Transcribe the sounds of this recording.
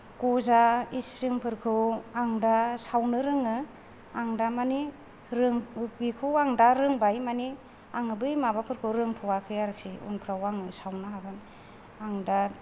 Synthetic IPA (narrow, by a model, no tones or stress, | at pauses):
kɔzaispʰɾiŋpʰɯɾkʰɯwaŋdasawnɯɾɯŋɯ | aŋdamani | ɾɯŋbikʰɯwaŋdaɾɯŋbajmani | aŋɯbɯjmabapʰɯɾkʰɯwɾɯŋtʰɔwakʰɯjaɾɯk̚siṵnpʰɾawaŋɯsawnɯɦaɡɯn | aŋda